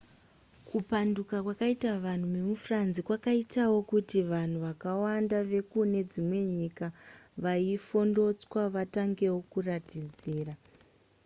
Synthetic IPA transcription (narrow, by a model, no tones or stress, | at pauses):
kʰupandukakwakaitaʋan̤umemufuranzikwakaitawo̞kutiʋan̤uʋakawandaʋe̞kune̞d͡zimwe̞ɲiːkaʋaifo̞ndo̞t͡swaʋataŋɡe̞wo̞kuratid͡ziːra